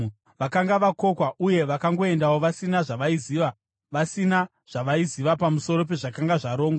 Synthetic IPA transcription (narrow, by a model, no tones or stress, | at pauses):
ʋakaŋɡaʋako̞kwaʔuje̞ʋakaŋɡo̞e̞ndawo̞ʋasinaʐaʋaiziːʋa | ʋasina | ʐ̥aʋaiziʋapamuso̞ɾo̞p̬e̞ʐakaŋɡaʐaɾoːŋɡwa